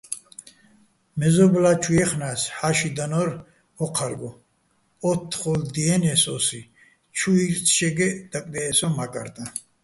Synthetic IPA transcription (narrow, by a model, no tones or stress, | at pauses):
mɛzɔblat͡ʃʰujɛχnasħaʃid̪anɔɾ | hɔqʰaɾɡɔ | ɔt̪ʰːχɔld̪iɛnɛsɔsi | t͡ʃʰuiɾt͡sʰʃɛɡɛd̪̥akʼd̪ɛːsɔmakʼa̰ɾt̪ʼa